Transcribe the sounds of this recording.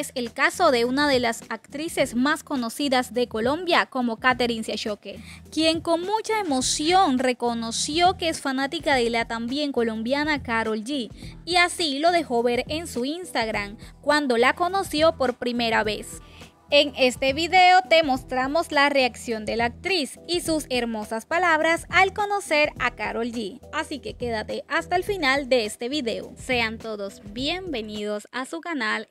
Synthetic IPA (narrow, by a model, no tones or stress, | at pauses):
ese̞lkaso̞ðe̞unaðe̞lasakt̪ɾise̞smasko̞no̞siðazðe̞ko̞lo̞mbjako̞mo̞kat̪eɾinseʃokekje̞ŋko̞ŋmut͡ʃae̞mo̞sjo̞ŋre̞ko̞no̞sjo̞keesfanat̪ikaðelat̪ambje̞ŋko̞lombjanakaɾo̞ld͡ʒiiasilo̞ðe̞xo̞βe̞ɾe̞nsuinst̪aɣɾamkwand̪o̞lako̞no̞sjo̞po̞ɾpɾime̞ɾaβe̞s | eŋe̞st̪e̞βiðe̞ot̪e̞mo̞st̪ɾamo̞slare̞aksjo̞nd̪e̞laːk̚t̪ɾisisuseɾmosaspalaβɾasalko̞no̞se̞ɾakaɾo̞ld͡ʒiasike̞ke̞ðat̪e̞ʔast̪aelfinald̪e̞est̪e̞βiðe̞o̰se̞ant̪o̞ðo̞sbje̞mbe̞nið̞o̞sasukanal